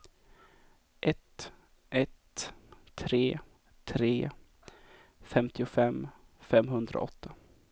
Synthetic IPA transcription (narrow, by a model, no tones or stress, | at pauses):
ʔɛt̪ | ʔɛt̪ʰː | ɾeː | t̪ʰɾeː | fɛmt̪ʰɪʊfɛmːfɛmɦɵnd̪ɾa̰ʔɔ̰t̪ʰːa